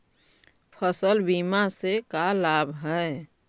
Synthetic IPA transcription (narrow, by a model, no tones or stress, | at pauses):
pʰəsəlbimasekalabʱɦɛ